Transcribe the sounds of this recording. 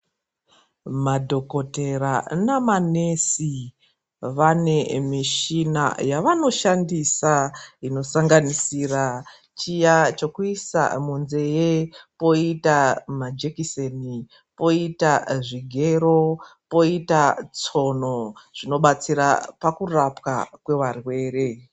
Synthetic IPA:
madʱo̞ko̞te̞ranamane̞si | ʋane̞miʃina̰jaʋano̞ʃandisaino̞saŋɡanisira | t͡ʃijat͡ʃokuisa̰munze̞jepo̞itamad͡ʒe̞kiseni | po̞itaʐiɡʱe̞ɾo̞po̞itat͡so̞noʐ̥ino̞ɓat͡siɾa̰pakurapka̰kwe̞ʋarwe̞ːɾe̞

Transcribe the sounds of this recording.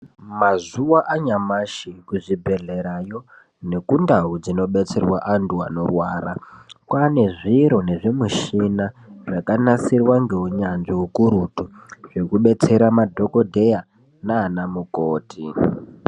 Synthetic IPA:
mazuwaʔaɲamaʃikuʐibʱe̞ɮe̞ɾajo̞ | ne̞kundaɦud͡zino̞ɓe̞t͡se̞rwaʔantua̰no̞̰rwaːɾa̰kwane̞ʐiɾo̞ne̞ʐemuʃinaʐakanasirwaŋɡe̞uɲanʐiukuɾutuʐ̥e̞kuɓe̞t͡se̞ɾamadʱo̞ko̞dʱe̞ja | naːnamukoːti

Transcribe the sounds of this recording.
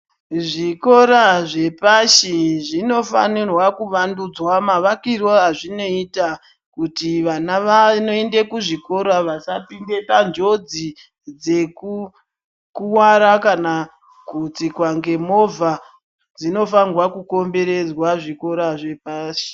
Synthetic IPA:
ʐiko̞ɾaʐe̞paʃiʐino̞fa̰nirwakuʋandud͡zwamaʋakirwoɦaʐino̞ita | kutiʋanaʋanoendekuʐiko̞ɾaʋasapiŋde̞pand͡ʒo̞d͡zi | d͡ze̞ku | kuwaɾakana | kut͡sikwaŋɡe̞movʱa | d͡zino̞fanwakuko̞mbe̞ɾe̞d͡zwaʐiko̞ɾaʐe̞paːʃi̥

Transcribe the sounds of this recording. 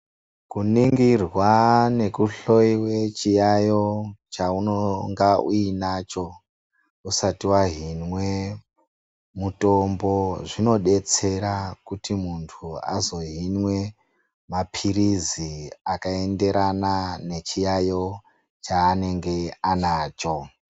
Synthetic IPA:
kuniŋɡirwane̞kuɬo̞iwe̞t͡ʃijajo̞t͡ʃaunoŋɡaʔuinat͡ʃo̞ | usatiwaɦinwe̞ | muto̞mbo̞ʐino̞ɗe̞t͡se̞ɾakutimuntʰua̰zo̞ɦinwe̞ | mapʰiɾiziakae̞nde̞ɾʔanane̞t͡ʃijajo̞ | t͡ʃaːne̞ŋɡe̞anaːt͡ʃo̞

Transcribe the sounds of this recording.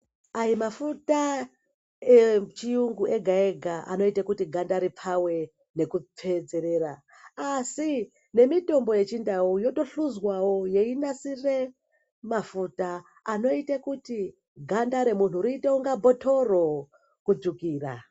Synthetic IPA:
aimafuta | et͡ʃijuŋɡuʔe̞ɡʱae̞ɡʱaʔa̰no̞itakutiɡʱandaɾipʰawe̞ | ne̞kup͡fe̞d͡ze̞ɾe̞ɾaː | si | ne̞mito̞mbo̞je̞t͡ʃindaujo̞to̞ɬuzwawo̞je̞inasire̞ | mafutaː | no̞itakuti | ɡʱandaɾe̞mun̤uɾiitewuŋɡabʱo̞tʰo̞ro̞ | kud͡zukiːra̰

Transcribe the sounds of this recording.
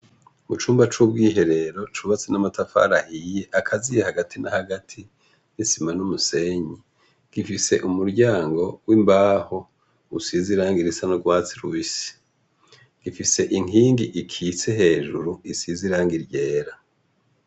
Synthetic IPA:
mut͡ʃuːmbat͡ʃubɡiːɦe̞ɾe̞ɾo̞t͡ʃuβat͡senamatafa̰ɾahiːjeʔakʰazijehaɡatʰinahaɡatʰi | nisimanumuse̞ɲi | ɡ̥ifise̞̰ʔumuɾɟaːŋɡo̞wimbaːho̞ | usiziɾaːŋɡiɾisanoɡwaːt͡siɾuβisi̥ | ɡ̥ifise̞ʔiŋhiːŋɡiʔikʰit͡se̞he̞ːʒuɾuisiziɾaːŋɡiɾɟe̞ːɾa

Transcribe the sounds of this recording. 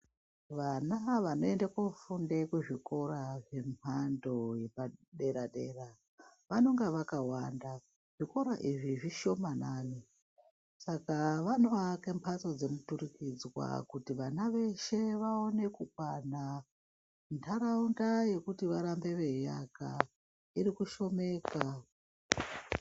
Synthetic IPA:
ʋanaʋano̞e̞ndakofundekweʐiko̞ɾaʐe̞mando̞jepaɗe̞ɾaɗeːra | ʋano̞ŋɡaʋakawanda | ʐ̥iko̞ɾaʔiʐiʐiʃo̞manaːni | sakaʋano̞ʋakempʰat͡so̞d͡ze̞mutuɾikid͡zwa̰kutiʋanaʋe̞ʃe̞ʋao̞ne̞kuk̚wana | ndʰaɾaundaje̞kutiʋaɾambe̞ʋe̞jaka̰ | iɾikuʃo̞me̞ːkwa

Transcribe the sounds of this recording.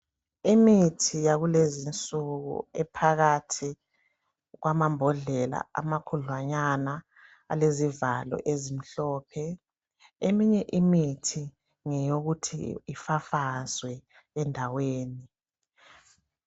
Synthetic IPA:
imitʰijaɣulezint͡sʼuɣṵɛpʰaɣatʰi | ɣwamambʱɔɮɛla̰a̰makʰuɮwaɲana | a̰lezivalɔ̰ʔezim̩ɬɔːpʰɛ | emiɲɛʔimitʰi | ŋɛjoɣutʰḭːfafazwɛ | ɛndʱaweːni

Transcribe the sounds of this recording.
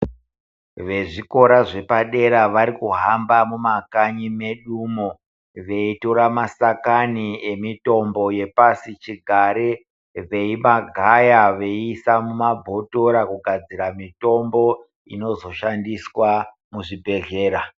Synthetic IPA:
ʋe̞ʐiko̞ɾaʐe̞paɗe̞ɾaʋaɾikuɦambamumakaɲime̞ɗumo | ʋe̞itoɾamasakaniemito̞mbo̞je̞pasit͡ʃiɡʱaɾe | ʋe̞imaɡʱajaʋe̞isamumabʱo̞to̞ɾakuɡʱad͡ziɾamito̞mbo̞ | ḭno̞zo̞ʃandiswa | muʐibʱe̞ɮe̞ːɾa

